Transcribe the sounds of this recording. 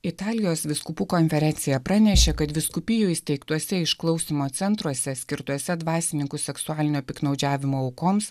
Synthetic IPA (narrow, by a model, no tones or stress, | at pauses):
ɪt̪ɑːlʲɪjoːsʋʲɪskʊpuːkonʲfʲɛɾʲɛnʲsʲɪjɛpɾɑnʲɛʃʲekɐt̪ʋʲɪskʊpʲɪjuɪsʲt̪ʲɛɪkt̪uɔsʲɛɪʃklˠɒʊsʲiːmoːt̪sʲɛnt̪ɾuɔsʲɛsʲkʲɪɾt̪uɔsʲɛd̪ʋɑːsʲɪnʲɪŋkʊsʲɛksʊɑːlʲɪnʲoːpʲɪknɒʊd͡ʒʲæːʋʲɪmoːɐʊkoːms